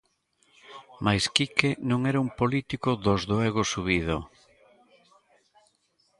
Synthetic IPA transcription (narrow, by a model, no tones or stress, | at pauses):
majskikenõŋɛɾaumpolit̪ikʊðozðoɛɣosuβ̞ið̞o̰